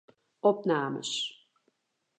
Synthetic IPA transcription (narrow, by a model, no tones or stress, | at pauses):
ɔp̚naːmə̰s